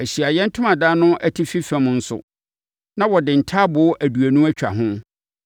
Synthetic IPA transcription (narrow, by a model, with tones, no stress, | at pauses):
æ˨ɕi˨a˨jɛ̃˦n̩˦tʰʊ̃˦mã˨daː˦nʊ̃˦ʔæ˨tʰi˦fi˦fæ̃˨mʊ̃˦n̩˦sʊ̰˨ | nã˦wɔ˨dɪ̃˨n̩˨tʰaː˦bʊ˨˦ʔæ˨du˨æ˨nũ˦æ˦t͡ɕᶣa̰˨ɦʊ̃˦